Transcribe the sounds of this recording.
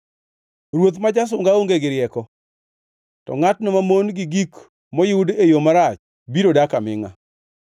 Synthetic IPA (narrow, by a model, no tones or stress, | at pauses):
ɾwot̪mad͡ʒas̬ʊŋɡaoŋɡeɡɪɾjɛkɔ | tɔ̰ŋatnɔmamonɡɪɡik | mɔjiudejomaɾat͡ʃ | biɾodakamɪ̰ŋa̰